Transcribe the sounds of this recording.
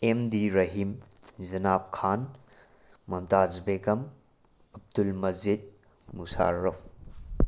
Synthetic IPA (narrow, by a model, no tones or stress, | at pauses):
emdiɾɐɦim | zɐnap̚kʰaːn | mɐmtazbekɐm | ɐb̚dulmɐzid̚ | musa̰ɾɐfʰ